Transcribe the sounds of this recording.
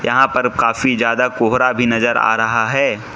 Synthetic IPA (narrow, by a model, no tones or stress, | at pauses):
jɐɦãpɐɾkaːfizjaːd̪akoːɦɾabʱinɐzəɾa̰ːɾɐɦaɦɛː